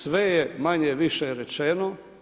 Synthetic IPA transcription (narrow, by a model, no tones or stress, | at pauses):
ʋejemaɲeʋiʃeɾet͡ʃeno